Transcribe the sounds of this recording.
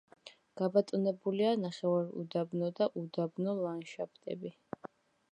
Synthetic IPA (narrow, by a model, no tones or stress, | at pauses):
ɡ̥abat̪ʼnɛbulianaχɛvaɾṵd̪abnɔd̪aʔud̪abnɔlanʃapʰt̪ʼɛ̰bi